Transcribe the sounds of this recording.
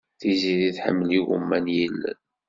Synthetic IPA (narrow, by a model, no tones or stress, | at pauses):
θiziðiθħə̰mːliɣṵmːænjilːæ̰n